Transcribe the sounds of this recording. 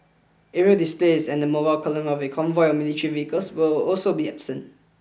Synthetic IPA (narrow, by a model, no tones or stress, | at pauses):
ʔɛɹiodisplezɛ̃ndəmobaɪlkʰɔlə̃mɔvekʰɔ̃ɱvɔɪɔmilitɹiviəkəlswɪlɔlsobiɛbsə̃nt